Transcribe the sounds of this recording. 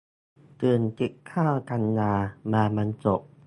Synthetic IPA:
t̪ɯː˨˩nt͡ɕi˨˩kkʰaː˥˩wka˧nːaː˧maː˧ma˧nt͡ɕo˨˩k̚

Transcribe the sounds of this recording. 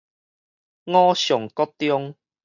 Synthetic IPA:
ŋɔ̃˦ɕjɔ˨˩ŋkɔ˦t̪jɔ˦ŋ

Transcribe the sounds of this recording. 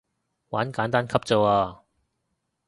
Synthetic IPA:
waː˨˥nkaː˨˥nt̪aː˥nkʰɐ˥p̚t͡so˨waː˧

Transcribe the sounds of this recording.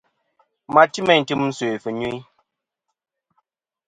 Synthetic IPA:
ma˨ti˦mɛ˦˨n̩˨tɨ˦mn̩˦se˨fə˨ɲu˦

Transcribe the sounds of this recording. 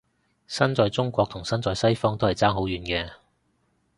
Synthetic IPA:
sɐ˥nt͡sɔː˨˧jt͡sʊ˥ŋkʷɔː˧k̚t̪ʰʊ˨˩ŋsɐ˥nt͡sɔː˧jsɐ˥jfɔː˥ŋt̪o˥whɐ˨jt͡saː˥ŋɦo˨˥wjyː˨˧nkɛː˧

